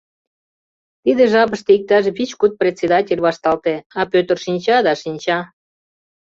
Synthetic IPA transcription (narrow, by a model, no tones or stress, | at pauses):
t̪id̪eʒɑpəʃt̪eik̚t̪ɑʃβit͡ɕkut̪̚prʲet̪ʲsʲed̪ɑtʲelʲβɑʃt̪ɑlt̪eɑpøt̪ərʃinʲt͡ɕɑd̪ɑʃinʲt͡ɕɑ